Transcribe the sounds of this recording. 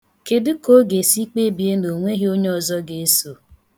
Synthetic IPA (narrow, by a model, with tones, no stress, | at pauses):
ke˨dɪ˦ko˦ɡe˨si˦k͡pe˦bi˨e˦no˨ŋʷe˦ɦi˦o˦ɲe˦ɔ˨zɔ˦ɡe˨e˦so˨